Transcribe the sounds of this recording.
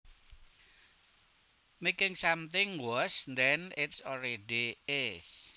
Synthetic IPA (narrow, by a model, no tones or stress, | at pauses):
mekɪŋsamt̪ɪŋwɔsnd̪ɛnɪtsɔɾeɖiɪs